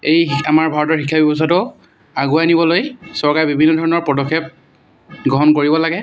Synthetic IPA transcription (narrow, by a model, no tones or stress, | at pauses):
ejamaɹbʱaɹɔtɔɹxikʰːabibɔs̬atʊ | aɡuanibɔlojsɔɹkaɹɛbibʱinːɔdʱɔɹɔnɔɹpɔdɔkʰːep̚ | ɡɹɔɦɔnkoɹibɔlaɡɛ